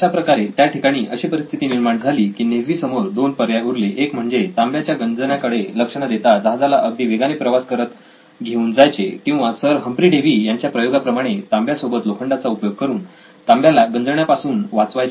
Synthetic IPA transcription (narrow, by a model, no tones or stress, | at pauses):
əɕapɾəkaɾet̪jaʈikaɽ̃iːʔəɕipəɾist̪ʰit̪iːniɾmaɳd͡zʱaliːkiːneɦʋiːsəmoɾd̪onpəɾjauɾleʔekm̤əɳd͡zet̪ambjat͡ɕjaɡənd͡zəɳjakəɽeləkʂəɳad̪et̪ad͡zaɦad͡zalaʔəɡ̚d̪iːʋeɡanepɾəʋaskəɾət̪ | ɡʱeuːnd͡zajt͡sekĩw̃ʋasəɾɦəmpɾiːɖeʋiːjaɲt͡ɕjapɾəjoɡapɾəmaɽ̃et̪ambjasobət̪lokʰəɳɖat͡saupjoɡ̚kəɾuːn | t̪ambjalaɡənd͡zəɳjapasuːnʋat͡sʋaj